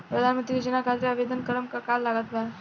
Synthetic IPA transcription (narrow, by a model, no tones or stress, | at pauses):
pɾəd̪ʱanmənt̪ɾijod͡ʑənakʰat̪ɾiaʋed̪ənkəɾəmkakalːaɡat̪̚ba